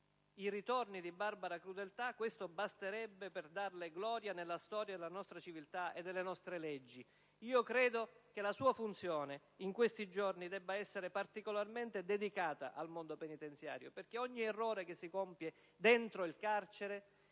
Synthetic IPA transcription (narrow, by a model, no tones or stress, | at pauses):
iɾit̪ornid̪ibarbaɾakɾud̪elt̪akwest̪obast̪eɾɛbːeperd̪arleɡlɔːɾjanelːast̪ɔːɾjad̪elanɔst̪ɾat͡ʃivilt̪aḛd̪ːelːenɔst̪ɾeled͡ʒːi | iːokɾeːd̪ok̟elasuːafunt̪sjoːne | iŋkwest̪id͡ʒornid̪ɛbːaɛsːeɾepart̪ikolarment̪ed̪ed̪ikaːt̪a̰ʔalmond̪openit̪ent̪sja̰ːɾjoperkeɔɲːiɛrːoːɾekesːikompje | d̪ent̪ɾoilkart͡ʃeɾe